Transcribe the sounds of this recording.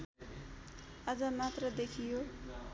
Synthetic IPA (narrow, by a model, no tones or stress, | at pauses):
ʌd͡zʌmat̪rʌd̪ekʰijo